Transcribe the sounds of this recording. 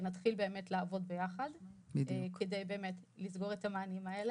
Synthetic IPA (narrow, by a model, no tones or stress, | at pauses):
natχilbe̞ːme̞tleːvo̞dbejaχaddkedejbe̞ːmet | lisɡo̞ʁetamaːnimaele